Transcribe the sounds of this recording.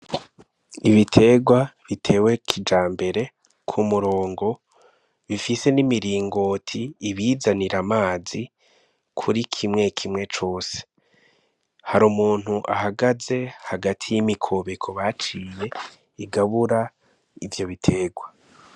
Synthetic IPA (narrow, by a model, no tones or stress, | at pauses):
iβitʰe̞ːɡwaβitʰe̞ːwe̞kʰid͡ʒaːmbe̞ɾe̞ | kʰumuɾo̞ːŋɡo̞ | βifise̞nimiɾiːŋɡotʰiːβiːzaniɾamaːzi | kʰuɾikʰimŋe̞kʰimŋe̞t͡ʃo̞ːse̥ | haɾumuːn̥huʔa̰haɡaze̞haɡatʰijimikʰo̞βe̞kʰo̞βat͡ʃije̞ | iɡaβuɾa | ivjo̞βitʰe̞ːɡwa